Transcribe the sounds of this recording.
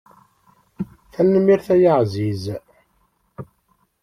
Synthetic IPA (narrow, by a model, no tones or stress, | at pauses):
θænːəmːiɾθæjəʕziz